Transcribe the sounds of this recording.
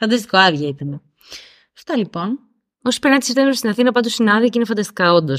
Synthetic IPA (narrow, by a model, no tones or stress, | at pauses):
fɐnd̪ɐst̪i̥koɐðjʝɐit̪ɐne | ɐft̪ɐlipo̞n | osi̥peɾnɐt̪isɾt̪emɾst̪inɐθinɐpɐt̪ust̪inɐðioceinefɐnd̪ɐst̪i̥kɐo̞nd̪os